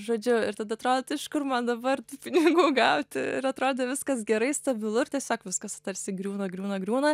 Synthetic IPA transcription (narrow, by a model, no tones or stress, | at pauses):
ʒoːd͡ʒʲʊɪɾt̪ɐd̪ɐɐt̪ɾoːd̪ʲt̪ɪʃkʊrmɐnd̪ɐbɐrt̪uːpʲɪnʲɪɡuːɡɐʊt̪ʲɪɪ̰ɾɐt̪ɾoːd̪ʲɛʋʲɪskɐsɡʲɛɾɐɪst̪ɐbʲɪlˠʊɪrtʲɛsʲoːkʋʲɪskɐst̪ɐɾʲsʲɪɡɾʲuːnɐɡɾʲuːnɐɡɾʲuːnɐ